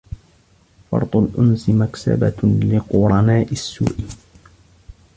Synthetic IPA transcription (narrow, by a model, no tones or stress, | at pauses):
fɑ̰ɾˤt̪ˤʊlʔʊnsɪmaksa̰balɪqʊɾˤɑnaːʔɪsːṵːʔɪ